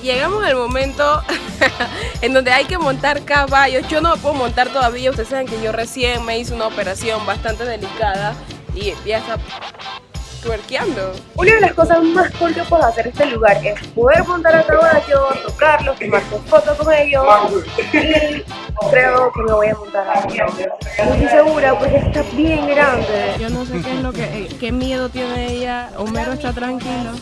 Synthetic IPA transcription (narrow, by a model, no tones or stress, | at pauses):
ʝe̞ɣamo̞salmo̞mẽ̞nt̪o̞ | end̪o̞nd̪e̞ajke̞mõ̞nt̪aɾkaβaʝo̞sʝo̞nomepweðomõ̞nt̪aɾt̪o̞ðaβiaust̪esaβaŋkeʝo̞re̞sje̞ŋme̞is̬ounaope̞ɾasjo̞mbast̪ant̪e̞ð̞e̞likaðaiʝaest̪a | t̪weɾkjand̪o̞unaðe̞lasko̞sazmaskoɾt̪opweðase̞ɾest̪e̞luɣaɾe̞spo̞ðe̞ɾmõ̞nt̪aɾat̪ɾaβaʝot̪okaɾlo̞st̪omaɾsuspot̪osoeʝo | i | kɾe̞okenoβo̞jamõ̞nt̪aɾat̪ɾaβajomosise̞ɣuɾapwesest̪abje̞ŋeɾand̪ed͡ʒonosekeezlokeke̞mjeðot̪jeneeʝa | omennoest̪at̪ɾaŋkilo